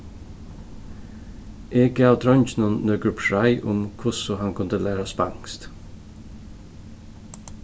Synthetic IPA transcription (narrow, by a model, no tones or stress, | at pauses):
ʔeːɡəɑːʋd̪ɾɔnçnɔnnːœːɡɹʉpʃɑɪʔʊmkʰʊsɔhɑŋkʰʊnt̪əlæːɾɑspɑ̰ŋst̪